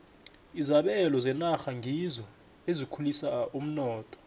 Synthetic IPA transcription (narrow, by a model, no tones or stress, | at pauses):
izaɓɛlɔzɛnaxaŋʱizɔ | ezikʰulisaum̩nɔːtʼɔ̥